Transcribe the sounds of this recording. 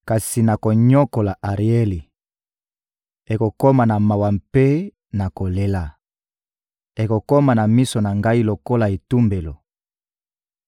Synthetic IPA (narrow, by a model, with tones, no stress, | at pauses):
ka˨si˨na˨ko˨ɲɔ˦ko˨la˨ʔa˨ʁi˨e˦li˨ | e˨ko˨ko˦ma˨na˨ma˨wa˨mpe˦ | na˨ko˨le˦la˨ | e˨ko˨ko˦ma˨na˨mi˦so˨na˨ŋɡa˦i˦lo˨ko˦la˨e˨tu˦mbe˨lo˨